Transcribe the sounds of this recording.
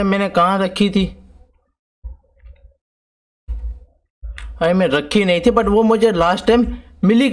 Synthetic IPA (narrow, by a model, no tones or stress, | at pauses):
mẽːnẽkãːɾɐkʰit̪ʰiː | ə̃ːmẽːɾəkʰinɐɦĩːt̪ʰibɐʈʋoːmʊ̃ɦɪ̃ɲd͡ʑelaːsʈʈaːmː | ɪlik